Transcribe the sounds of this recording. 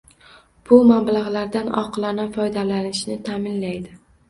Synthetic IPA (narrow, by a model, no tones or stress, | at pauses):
b̥ʊmablaʁlaɾd̪anɒ̰qlˠanafɒjd̪alanɪʃnɪt̪ʰamɪnlajd̪ɪ